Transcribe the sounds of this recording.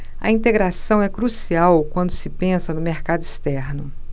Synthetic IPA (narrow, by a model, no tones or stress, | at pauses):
ɐ̰ĩnt̪eɡɾasɐ̃w̃ɛkɾusiawkwɐ̃nd̪ʊsɪpẽsɐnʊmeɾkad̪ʊist̪ɛɾnʊ